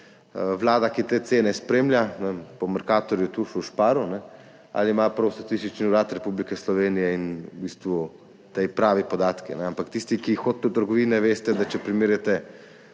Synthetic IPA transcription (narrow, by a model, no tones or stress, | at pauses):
ʋlaːd̪akit̪eːt̪seːnɛspɾeːmljanɛpɔmɛɾkaːt̪ɔɾjut̪uʃuʃpaːɾunɛ | a̰limapɾɐwst̪at̪ist̪it͡ʃniuɾaːt̪ɾɛpublikɛslɔʋeːnijɛinbiːst̪ʋu | t̪ejpɾaːʋipɔd̪aːt̪kḭnɛampakt̪ist̪ikixoːt̪̚ːut̪əɾɡɔʋiːnɛʋeːst̪ɛd̪at͡ʃɛpɾimiːɾjɛt̪ɛ